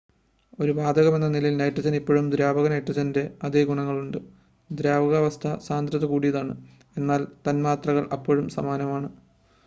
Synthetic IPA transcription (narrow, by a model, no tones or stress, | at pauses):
o̞ɾubaːd̪ʱɐɣɐme̞nːɐnilɐjilnɐjʈrid͡ʑɐnipːoːɻumd̪ɾjaːbɐɣɐnɐjʈrid͡ʑɐnnde̞ɐd̪eɡuɳɐŋːɐɭuɳɖɨ | d̪ɾjaːbɐɣɐʋɐst̪ʰɐsaːnd̪ɾɐðɐkuːɽijɐðaːɳɨ | e̞nːaːlt̪ɐnmaːt̪rɐɣɐɭʔɐ̰pːoɻumsɐ̰maːnɐmaːɳɨ